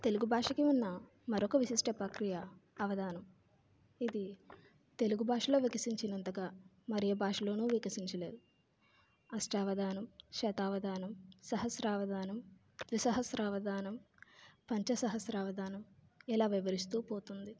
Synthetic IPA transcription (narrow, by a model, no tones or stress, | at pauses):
t̪eluɡubʱaːʂɐkiunːɐ | mɐɾɔkɐʋisiʂʈɐpɾɐkɾijɐːʋɐd̪aːnɐm | id̪i | t̪e̞luɡubʱaːʂɐlo̞ːʋikɐsiɲt͡ʃinɐnt̪ɐɡaː | mɐɾijɐbʱaːʂɐlo̞ːnuːʋikɐsiɲt͡ʃɐle̞ːd̪u | ɐsʈɐːʋɐd̪aːnɐmʃɛːt̪aːʋɐd̪aːnɐmsɐɦɐsɾaːʋɐd̪aːnɐm | d̪ʋisɐɦɐsɾɐʋɐd̪aːnɐm | pɐɲt͡ʃɐsɐɦɐsɾɐʋɐd̪aːnɐmilaːʋiʋɐɾist̪uːpoːt̪und̪i